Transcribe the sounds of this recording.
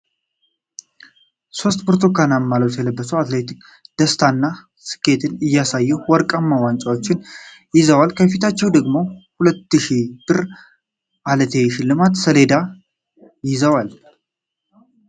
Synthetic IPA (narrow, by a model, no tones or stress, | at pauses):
so̞st̪pʰoɾt̪ʰokanamːalot͡ʃ̪jɛləbːəsuwat̪le̞t̪ik | d̪̥əst̪ʰanːa | sɨ̥kʰʼːe̞t̪ʰɨnɨjːasajːɛwwɔɾkʼamːawant͡ʃʼawot͡ʃːɪn | jɪzəwalkʰəfit̪ʰat͡ʃːɛwd̪əɡmo̞hulət̪ːɨʃib̥ɨɾ | ʔalət̪ʰe̞ʃɪlːɨmat̪səle̞d̪a | jɪzəwal